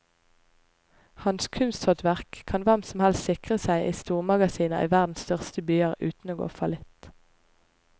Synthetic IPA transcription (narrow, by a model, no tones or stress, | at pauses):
hɑnskʰʉnst̪hɔt̪ʋæʁkʰːɑnʋɛmsm̩hɛlst̪sɪkʁəsæɪʔiːst̪uːʁmɑɡɑsiːnɑʔḭːʋæʁd̪n̩sst̪œʁst̪əbyːəʁʉːt̪n̩oːɡo̰ːfɑlɪt̪